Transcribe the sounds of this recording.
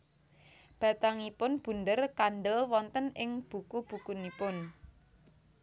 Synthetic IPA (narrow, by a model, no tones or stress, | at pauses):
b̥a̤t̪aŋipʊnb̥ṳnd̪ərkanɖəlwɔnt̪ənʔɪŋb̥ṳkub̥ṳkunipʊn